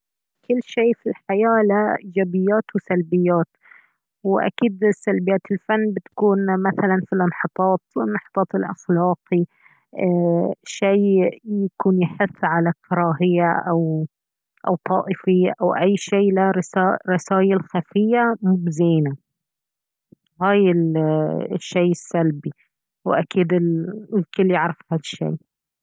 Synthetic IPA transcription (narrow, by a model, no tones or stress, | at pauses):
kɪlːʃeːfilħajaːlaɪd͡ʒabɪjːaːt̪wɪsalbɪjːaːt̪ | wɪʔa̰kiːd̪salbɪjːaːt̪ɪlfanːbɪt̪ḁkuːnmaθalanfilʔɑnħɑt̪ˤɑːt̪wɪnːɑħɑ̥t̪ˤɑːt̪ˤɪlʔaxlɑːqi | ʃiːjakuːnjɪħʊθːʕalakɑɾˤɑːɦɪjːaʔaw | ʔawt̪ˤɑːʔɪfɪjːaʔawʔajːʃeːlaɾsaɾˤɪsaːjalxafɪjːamʊbzeːna | haːjɪl | ʃːejːɪsːalbi | wʔakiːd̪ɪllkɪlːjɪʕɾˤɪfhalʃːḛː